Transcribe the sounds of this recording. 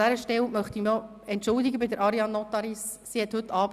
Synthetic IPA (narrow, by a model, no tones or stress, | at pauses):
æɾəʃtɛlmœχt̪im | ɛntʃʊld̪ɪɡəbɪdəɾʔɑɾiɑnːɔt̪ɑɾisːihɛt̪hɵt̪ːɑːb